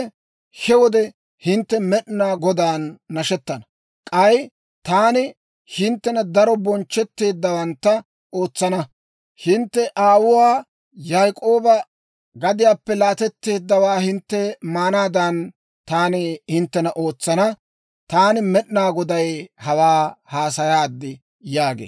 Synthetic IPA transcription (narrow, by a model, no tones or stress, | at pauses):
hɛwɔd̪ɛ | hɪnt̪ːɛmɛɗnaːɡɔd̪aːnːɐʃɛt̪ːɐnɐ | kʼɐj | t̪aːnɪ | hɪnt̪ːɛnɐd̪ɐɾɔbɔnt͡ʃːɛt̪ːe̞ːd̪ːɐwɐnt̪ːɐ | o̞ːt͡sːɐnɐ | hɪnt̪ːɛʔaːwʊwaː | jajkʼo̞ːbɐ | ɡɐd̪ɪjaːpːɛlaːt̪ɛt̪ːe̞ːd̪ːɐwaːhɪnt̪ːɛmaːnaːd̪ɐn | t̪aːnɪhɪnt̪ːɛnɐʔoːt͡sːɐnɐ | t̪aːnɪmɛɗnaːɡɔd̪ɐjhɐwaːhaːs̬ɐjaːd̪ːɪ | jaːɡḛː